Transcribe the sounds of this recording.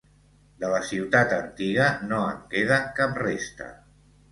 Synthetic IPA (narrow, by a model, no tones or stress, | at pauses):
d̪ələsiwt̪at̪ənt̪iɣənoəŋkeðəkap̚rest̪ə̰